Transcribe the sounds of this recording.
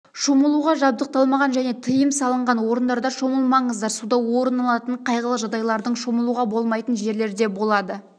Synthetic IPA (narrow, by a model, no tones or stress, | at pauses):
ʃoməlˠuʁɑʒɑb̚d̪əq̚t̪ɑlˠmɑʁɑnʒæne̞t̪ʰəjəmsɑlˠəɴʁɑnwo̞ɾənd̪ɑɾd̪ɑʃoməlˠmɑɴəzd̪ɑɾsud̪ɑwo̞ɾənɑlˠɑt̪əɴqʰɑjʁəlˠəʒɑd̪ɑjlˠɑɾd̪əɴʃoməlˠuʁɑbo̞lˠmɑjt̪ənʒe̞ɾle̞ɾd̪e̞bo̞lˠɑd̪ə